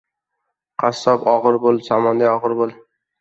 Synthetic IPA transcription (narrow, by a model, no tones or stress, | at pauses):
qʰɑsːɒpɒʁɨɾbolˠsɒmɒnd̪ajɒʁɨɾbolˠ